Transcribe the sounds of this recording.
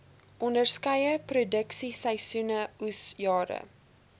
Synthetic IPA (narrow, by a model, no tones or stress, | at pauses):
ʔɔndərskɐjəprodəksisɛjsunəusjɑːɾə̰